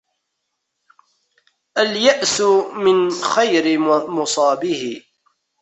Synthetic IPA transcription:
ʔaljaʔsʊmɪnxajɾɪmʊsˤɑːbɪhɪ

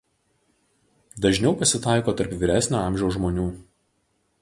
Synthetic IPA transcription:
d̪ɐʒʲnʲɛʊpɐsʲɪt̪ɑˑɪkoːt̪ɐɾpʋʲɪɾʲæsʲnʲuːɑˑmʲʒʲɛʊsʒmoːnʲuː

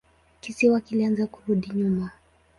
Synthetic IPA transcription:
kisiwakilianzakuɾuɗiɲuma

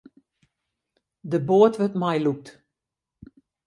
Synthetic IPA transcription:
dəboətʋətmajluk̚t

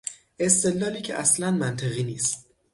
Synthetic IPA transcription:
ʔe̞st̪e̞dlːɒːliːcʰeʔæslænmænt̪ʰeɣiːniːst̪̚

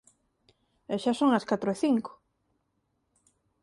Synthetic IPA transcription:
eʃasoŋɐskat̪ɾoeθiŋkʊ̥

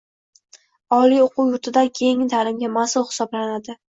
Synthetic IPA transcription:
ɒlioqʰʊwjʊɾt̪ʰɪd̪akʲʰe̞ŋɪt̪ʰalɪmɡʲamasʊlˠχɪ̥sɒblanad̪ɪ

